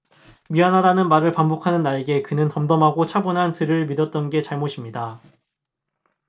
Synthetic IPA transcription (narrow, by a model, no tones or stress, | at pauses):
miɦanɦadanɯnmaɾɯɭpambokʰanɯnːaɭeɡe̞kɯnɯntʌmdʌmɦaɡot͡ɕʰabunɦantɯɾɯɭmidʌt̚t͈ʌnɡe̞t͡ɕaɭmoɕʰimɲida